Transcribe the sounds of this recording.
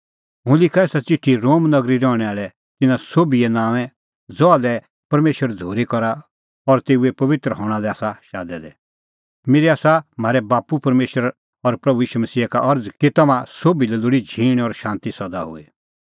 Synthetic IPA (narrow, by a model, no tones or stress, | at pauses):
ɦʊ̃lɪkʰaeːsat͡ʃɪʈʰːiɾoːmnɐɡɾiɾɔːɽ̃ɛaːɭɛ | t̪ɪnãsoːbiɛnãːʋɛ̃ | d͡zɔalɛ | pɐɾmeːʃəɾd͡zʱoːɾikɔɾa | ɔɾt̪eːuɛpɐʋɪt̪ɾəɦɔ̃ːɽ̃alɛaːsaʃa̰ːd̪ɛd̪ɛ | meːɾiaːsam̤aːɾɛbaːpupɐɾmeːʃəɾ | ɔɾpɾɐbujiːʃumɐsiːɦakaʔɐɾd͡zkit̪ɐmãsoːbilɛlʊɽid͡ʒʱiːɽ̃ɔɾʃãːnt̪isɐd̪a̰ɦʊ̰e